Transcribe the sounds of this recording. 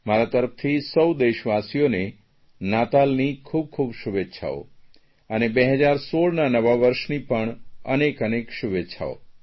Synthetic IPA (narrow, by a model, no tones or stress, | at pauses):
maɾat̪əɾəft̪ʰisəwd̪eʃʋasijone | nat̪alnikʰub̚kʰubʃuʋetːʃʰa̰o̰ | ənebeɦəd͡ʒaɾsoɭnanəʋaʋəɾʃnipəɳənekənekʃuʋetːʃʰa̰o̰